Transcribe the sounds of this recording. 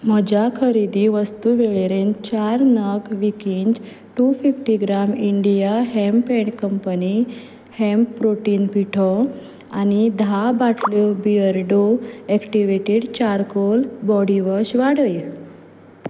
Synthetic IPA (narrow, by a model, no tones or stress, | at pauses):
m̤əd͡ʑakʰəɾid̪iʋəst̪uʋeɭeɾẽnt͡ɕaɾnəɡʋikind͡ʑ | ʈufifʈiɡɾamiɳɖijaɦɛmpɛ̃ɳʈkəmpəni | hɛ̃mpːɾoʈiːnpiʈʰɔ | anid̪ʱabaʈʰlɔbiəɾɖoɛkʈiʋeʈeɽt͡ɕaɾkolbɔɽiʋəɕʋaɽəj